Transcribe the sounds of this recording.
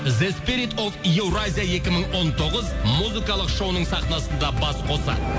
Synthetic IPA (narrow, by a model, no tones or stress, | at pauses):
zespiɾit̪o̞vije̞wɾazʲijaje̞kʲɪməɴwo̞nt̪ʰo̞ʁəzmuzikɑlˠəqʃo̞wnəɴsɑχnɑsənd̪ɑbɑsqʰo̞sɑ̰